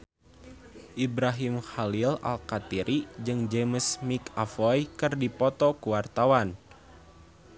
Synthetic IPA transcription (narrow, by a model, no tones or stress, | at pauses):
ʔibɾaɦimxalila̰lkat̪iɾʔid͡ʒɨŋd͡ʒɛməsmikafɔjkɨrdipɔt̪ɔkuwart̪awan